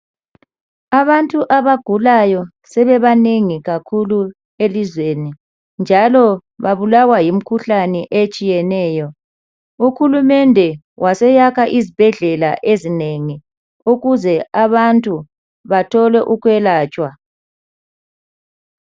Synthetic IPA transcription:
aβantʼuʔaβaɡ̥ʱulajɔ | sɛβɛβaneŋiɣakʰulu | elizweni | nd͡ʒʱalɔβaβulawajim̩kʰuɬanɛʔet͡ʃʼijɛnɛːjɔ | uxulumɛndʱɛ | wʔasɛjakʰaʔizib̥ʱɛɮɛla̰ʔezineŋi | uɣuzɛaβantʼu | βatʰɔlɛʔuɣwɛlaːt͡ʃʼwa

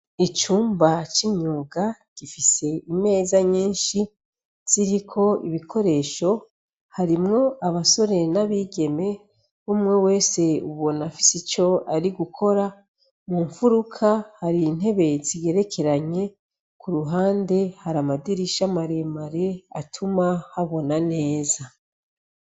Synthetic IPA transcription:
it͡ʃuːmbat͡ʃiɲuːɡaɡ̥ifise̞ime̞ːzaɲiːnʃi | z̥iɾikʰo̞iβikʰo̞ɾe̞ːʃo̞ | haɾimŋo̞ʔaβaso̞ɾe̞naβiːɡe̞me̞ | umŋe̞we̞ːse̞uβo̞nafi̥sit͡ʃo̞aɾiɡukʰo̞ɾa | muːɱfuɾukʰahaɾin̥e̞βe̞ziɡe̞ɾe̞kʰe̞ɾaɲe̞ | kʰuɾuɦaːnde̞haɾamadiɾiʃamaɾe̞maɾe̞atʰumahaβo̞nane̞ːza

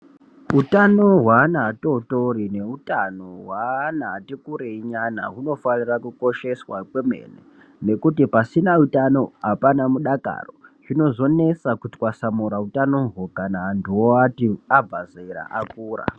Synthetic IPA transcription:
utano̞ɦwanaːto̞to̞ɾine̞utanoɦwanaːtikuɾeiɲana̰ɦuno̞fanirakuko̞ʃe̞swakwemḛnḛ | ne̞kutipasinautano̞apanamuɗaka̰roʐino̞zo̞ne̞t͡sakuti̥kwasamuɾautanoɦokanaːndioatiabʱazeiɾa̰ʔakuːra̰

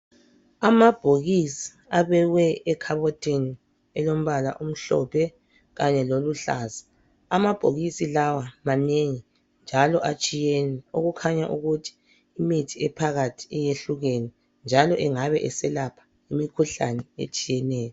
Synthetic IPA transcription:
amab̥ʱoɣisi̥ | aβɛɣwɛʔɛkʰaβɔtʰʼeni | ɛlom̩βala̰ʔum̩ɬɔ̰pʰɛ | ɣaɲɛloluɬaːzḁ | amab̥ʱoɣisilawamaneŋi | nd͡ʒʱalɔʔat͡ʃʼijenɛoɣukʰaɲaʔuɣutʰi̥ː | mitʰiɛpʰaɣatʰi̥ɛjeɬuɣeni | nd͡ʒʱalɔʔɛŋaβɛʔɛsɛlapʰḁ | imikʰuɬa̰nɛḛt͡ʃʼijɛnɛːjɔ

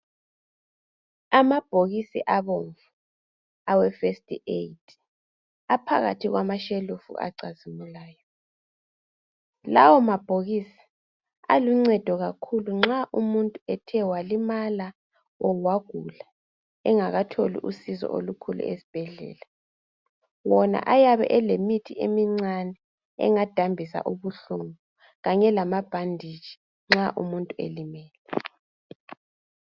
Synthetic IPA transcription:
amab̥ʱoɣisiʔaβoɱvu | awɛfestʼḭejtʰ | apʰa̰ɣa̰tʰiɣwamaʃelufṵʔa̰ǀazimulaːjɔ | lawɔmab̥ʱoɣiːsi̥ | a̰luŋ͡ǀɛd̥ʱɔɣakʰuluŋ͡ǁaʔumuntʼuɛtʰɛwalimala | ɔwaɣ̥ʱula | ɛŋaɣatʰolḭʔusizɔ̰ʔo̰lukʰulṵesi̥b̥ʱɛɮɛ̰ːla | wɔna̰ʔajaβɛ̰ʔɛlemitʰiʔemiŋ͡ǀanɛ | ɛ̰ŋad̥ʱambʱisa̰ʔuβuɬuŋu | ɣaɲɛlamab̥ʱandʱi̥ʒ̥ʱi̥ | ŋ͡ǁaʔṵmuntʼuḛlimɛːlɛ

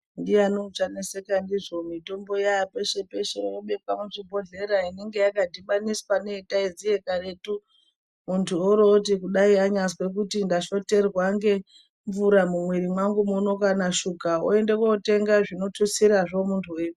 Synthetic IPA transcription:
ndianot͡ʂanese̞kandiʐo̞mito̞mbo̞jajape̞ʃe̞pe̞ʃeoɓe̞pamuʐibʱo̞ɮe̞ɾaineŋɡe̞jakadʱiɓaniswaneitaizije̞karetu | muntʰuoɾotikuɗaiaɲaswe̞k̬utindaʃo̞te̞rwaŋɡe̞ | ɱvuɾamumweɾimwaŋɡumuno̞kanaʃukao̰e̞ndekwoute̞ŋɡaʐino̞tʰusiɾaʐo̞muntʰueu

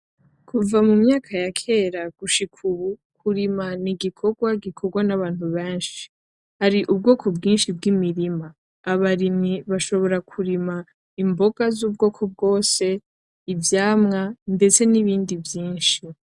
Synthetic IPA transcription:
kʰuvamumɲaːkʰajakʰe̞ɾaɡ̥uʃikʰuβukʰuɾimaniɡikʰo̞ɡwaɡikʰoɡwanaβaːn̥huβeːnʃi̥ | haɾiʔub̚ɡo̞ːkʰo̞bɡiːnʃib̚ɡimiɾimaː | βaɾimiβaʃo̞βo̞ɾakʰuɾima | imbo̞ɡ̥azuːb̚ɡo̞ːkʰo̞b̚ɡo̞ːse̞ | ivjaːmŋande̞t͡se̞niβiːndivjiːnʃi

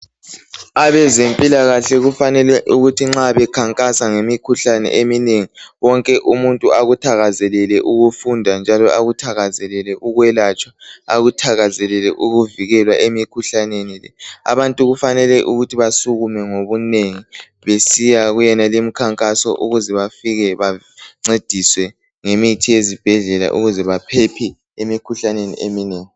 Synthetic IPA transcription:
aβɛzempʼilaɣaɬɛɣufanɛlɛʔuɣutʰiŋ͡ǁaβɛkʰaŋkʼasaŋemikʰuɬanɛ̰ʔemineŋiwɔŋkʼɛʔumuntʼuaɣutʰaɣazɛlɛlɛʔuɣufundʱand͡ʒʱalɔʔaɣutʰaɣazɛlɛlɛʔuɣwɛlat͡ʃʼwaaɣutʰaɣazɛlɛlɛʔuɣuviɣɛlwaʔemikʰuɬanenilɛ̰a̰βantʼuɣufanɛlɛʔuɣutʰiβasuɣumɛŋoβuneŋi | βesijaɣujɛnalim̩kʰaŋkʼasɔʔuɣuzɛβafiɣɛβa | ŋ͡ǀed̥ʱiswɛ | ŋemitʰijezib̥ʱɛɮɛla̰ʔṵɣuzɛβapʰepʰi | emikʰuɬanenḭʔemineːŋi

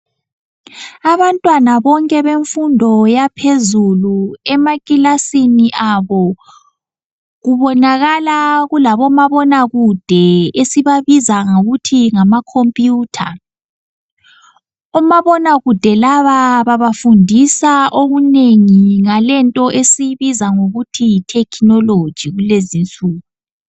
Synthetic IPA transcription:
aβantʼwanaβɔŋkʼɛβeɱfundʱɔjapʰezuluɛmakʼilasiniʔaβɔ | ɣuβɔnaɣalaɣulaβɔmaβɔnaɣud̥ʱɛesiβaβizaŋauɣutʰiŋamakʰompʼjuːtʰa̰ | ɔmaβɔnaɣud̥ʱɛlaβaβaβafundʱisaʔoɣuneŋiŋalɛntʼɔʔesiβizaŋoɣutʰijitʰɛkʰinɔlo̥ʒ̥ʱiɣulezint͡sʼuːɣu

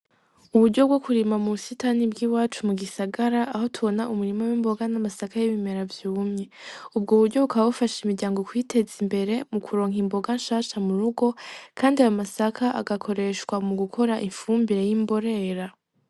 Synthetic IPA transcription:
uβuɾɟo̞bɡo̞kuɾimamusitanibɡiːwaːt͡ʃumuɡisaɡaɾaʔaɦo̞tʰuβo̞naʔumuɾimawimbo̞ɡanamasakajiβime̞ɾavjuːmɲe̞ub̚ɡoβuɾɟo̞βukaβaβufaʃimiɾɟaːŋɡo̞kwiːtʰe̞zimbe̞ɾe̞mukʰuɾo̞ːŋɦimbo̞ɡanʃaːʃamuɾuɡo̞kʰaːndiajomasakʰaʔa̰ɡakʰo̞ɾe̞ʃwamuɡukʰo̞ɾaʔiɱfuːmbiɾe̞jimbo̞ɾe̞ɾa

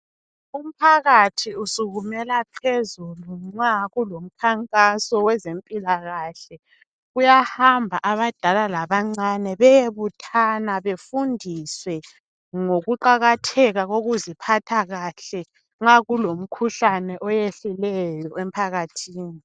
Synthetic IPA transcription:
um̩pʰaɣatʰiusuɣumɛlapʰezuluŋ͡ǁaɣulom̩kʰaŋkʼasɔwɛzempʼilaɣaɬɛ | ɣujahambʱaʔaβad̥ʱalalaβaŋ͡ǀanɛβɛjeβutʰanaβefundʱiswɛ | ŋoɣuǃaɣatʰɛɣaɣoɣuzipʰatʰaɣaɬɛ | ŋ͡ǁaɣulom̩kʰuɬanɛʔɔjeɬulɛjɔempʰaɣatʰiːni

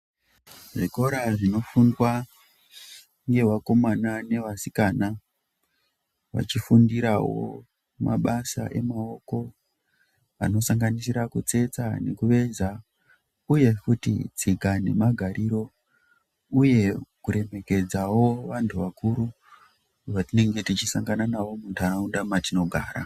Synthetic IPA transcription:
ʐiko̞ɾaʐino̞fundwa | ŋɡe̞wako̞manane̞ʋasikana | ʋa̰t͡ʃifundiɾawo̞̰ | ma̰ɓasa̰ʔe̞mao̞ko̞ | a̰no̞saŋɡanisiɾakut͡se̞t͡sa̰ne̞kuʋe̞za | uje̞kutḭd͡zikane̞̰maɡʱaɾʔiɾo̞ | uje̞kuɾe̞me̞ke̞d͡zawo̞ʋantʰuʋakuɾu | ʐatine̞ŋɡe̞tit͡ʃisaŋɡananawo̞muntʰaaundamatino̞ɡʱaːɾa̰

